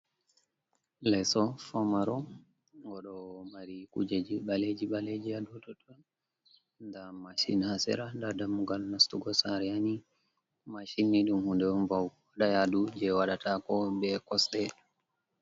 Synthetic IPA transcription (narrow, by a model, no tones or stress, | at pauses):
lɛsɔfamaɾɔ | ŋɡɔɗɔmaɾikṵd͡ʒed͡ʒiɓaled͡ʒiɓaled͡ʒijadutɔtɔ | ndamaʃḭnhasɛ̰ɾandadamuɡalnastuɡɔsaɾɛani | maʃinːiɗumhundɛɔnvaw | aɗajadud͡ʒɛwaɗatʰakɔbɛkɔsɗɛl